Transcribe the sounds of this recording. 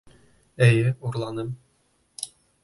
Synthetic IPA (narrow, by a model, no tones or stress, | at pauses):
æjɘuɾlˠɑnɤm